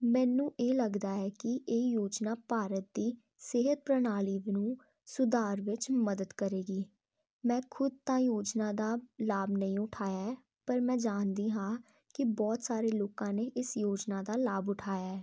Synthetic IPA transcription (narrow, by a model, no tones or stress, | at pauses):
mɛ̃ːnũːʔeːləɡd̪aːɛːkɪʔeːjoːd͡ʒnaːpaːɾət̪̚d̪iː | sɪɦət̪̚pɾənaːliːʋnũː | sʊd̪aːɾʋɪt͡ʃməd̪əd̪kəɾeːɡiː | mɛ̃ːkʰʊd̪̚t̪ãːjoːd͡ʒnãːd̪aːlaːbnəĩːʊʈʰaːjaːɛː | pəɾmɛ̃ːd͡ʒaːnd̪iːɦãː | kɪbɔːt̪saːɾeːloːkãːneːʔɪsjoːd͡ʒnaːd̪aːlaːbʊʈʰaːjaːɛː